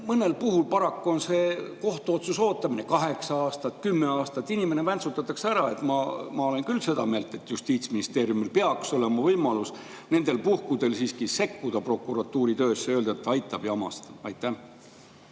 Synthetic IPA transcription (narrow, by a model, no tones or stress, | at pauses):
mɤne̞lpuɦulpɑɾɑkːuo̞nse̞ːko̞ht̪uo̞t̪suso̞ːt̪ːˑɑmine̞kɑɦe̞ksɑɑːst̪ɑt̪ːkymːe̞ɑːst̪ɑt̪ːˑinime̞ne̞vænsut̪ːˑɑt̪ːˑɑkseæɾɑe̞t̪ːmɑmɑole̞nkylːse̞d̪̥ɑ̰me̞ːlt̪ˑe̞t̪ˑjust̪iːt̪sminist̪e̞ːɾjumilpe̞ɑkso̞le̞mɑvɤjmɑlus | ne̞nd̪̥e̞lpuhkud̪̥e̞lsiːskise̞kːud̪̥ɑpro̞kːuɾɑt̪ːˑuːɾit̪ø̞ːsːeøld̪̥ɑet̪ːɑɑjt̪ːˑɑb̥jɑɑmɑ̰st̪ɑɑjt̪ːæ